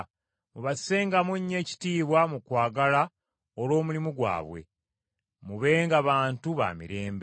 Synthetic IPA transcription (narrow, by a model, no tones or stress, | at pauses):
muβḁse̞ːŋɡamuɲːe̞ːci̥tiːβwamukwaːɡala | olwo̞ːmulimuɡwa̰ːβwe̞̰ | muβe̞ːŋɡaβaːntuβa̰ːmḭɾe̞ːmbe